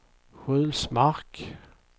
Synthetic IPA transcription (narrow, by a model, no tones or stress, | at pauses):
ɧʉlsmaʁk